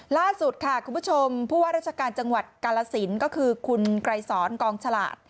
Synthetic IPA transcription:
laː˥˩su˨˩t̪̚kʰa˥˩kʰu˨˩˧mpʰu˦˥˩t͡ɕʰo˧mpʰuː˥˩waː˥˩ɾa˥˩t͡ɕʰa˧kaː˧nt͡ɕa˧ŋwa˨˩t̪̚kaː˧laː˧si˩˦nkɔː˥˩kʰɯː˧kʰu˧nkɾa˧jsɔː˩˦˥nkɔː˧ŋt͡ɕʰa˧la̰ː˨˩t̪̚

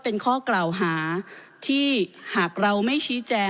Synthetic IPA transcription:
pe˧nkʰɔː˥˩klaː˨˩wɦaː˩˦t̪ʰiː˥˩haː˨˩k̚ɾa˧wma˥˩jt͡ɕʰiː˦˥t͡ɕɛː˧

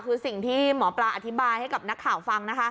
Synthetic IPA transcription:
kʰɯː˧si˨˩ŋt̪ʰiː˥˩mɔː˩˦pla˧ʔa˨˧t̪ʰi˦˥baː˧jha˥˩jka˨˩p̚na˦˥kʰːaː˨˩˦wfa˧ŋna˦˥kʰa˦˥

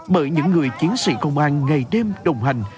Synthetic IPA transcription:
ɓəː˧˩jɲɨ̰˧˥ŋːɨ˨˩əjt͡ɕi˨˦ənsḭ˧˥kə̰˧˨wŋ͡mʔaː˧˩nŋa˨˩jɗe˧mɗə˨˩wŋ͡mha˨˩jŋ̟

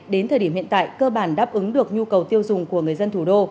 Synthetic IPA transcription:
ɗe˨˦nt̪ʰəː˨˩ɗi˧˩əhḭ˧˨ə˨nt̪a̰ː˧˨jkəː˧ɓaː˧˩nɗaː˦˥p̚ʔɨ˨˦ŋɗɨ˨˩ək̚ɲu˧kə˨˩wt̪i˧əwzʊ˨˩ŋ͡mku˧˩əŋɨ˨˩əjzə˧nt̪ʰu˧˩ɗo˧

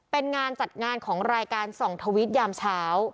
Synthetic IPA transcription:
pe˧nŋaː˧nt͡ɕa˨˩t̪̚ŋaː˧nkʰɔː˩˦ŋɾaː˧jkaː˧nsɔ˨˩ŋt̪ʰa˧wi˦˥t̪̚jaː˧mt͡ɕʰaː˦˥w

